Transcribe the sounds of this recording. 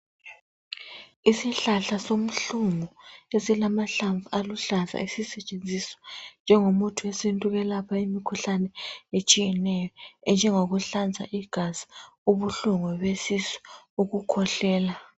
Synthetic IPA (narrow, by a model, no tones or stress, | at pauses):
isiɬaɬasom̩ɬumɔesilamaɬaɱvualuɬand͡zʱa̰isisɛt͡ʃʼend͡zʱisɔ̥nd͡ʒʱɛŋomutʰuesintʼuɣɛlapʰaimikʰuɬanɛet͡ʃʼijɛnɛjɔɛnd͡ʒʱɛŋoɣuɬand͡zʱa̰ʔiɡ̥ʱazi | uβuɬuŋɔβesisɛ̥uɣukʰɔɬɛːla